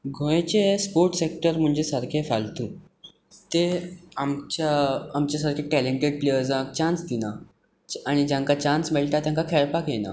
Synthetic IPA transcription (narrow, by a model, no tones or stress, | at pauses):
ɡʱõjt͡ɕespoɾʈsekʈəɾm̤əɳd͡ʑesəɾkʰefalt̪uː | t̪eamt͡ɕaamt͡ɕas̬aɾkʰẽʈɛleɳʈeɖplejəɾd͡zãk̚t͡ɕãnst̪ina | aɽ̃id͡ʑãŋkat͡ɕãnsmeɭʈat̪jãŋkakʰɛɾpakjena̰